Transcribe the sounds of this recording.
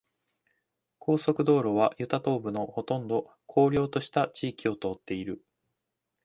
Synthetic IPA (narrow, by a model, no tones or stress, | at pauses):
kʰo̞ːso̞kɯ̟d̪o̞ːɾo̞β̞ajɯ̟t̪at̪o̞ːbɯ̟no̞ho̞t̪õ̞nd̪o̞ | kʰo̞ːɾʲo̞ːt̪o̞ɕi̥t̪at͡ɕiːkʲio̞t̪o̞ːt̪ːe̞iɾɯ̟